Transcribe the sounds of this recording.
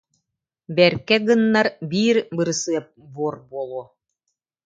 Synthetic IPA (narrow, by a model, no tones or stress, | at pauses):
bɛɾkɛɡɯnːɑɾbiːɾbɯɾɯsɯɐp̚buɔɾbuɔlˠuɔ